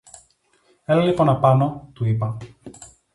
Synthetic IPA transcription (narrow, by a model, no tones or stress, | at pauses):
eleliponɐpɐnot̪uipɐ